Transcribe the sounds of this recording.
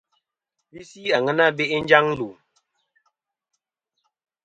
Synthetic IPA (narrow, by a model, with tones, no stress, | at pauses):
bi˦si˦a˨ŋə˦na˦be˦ʔe˦n˦d͡ʒa˦ŋ˦lu˨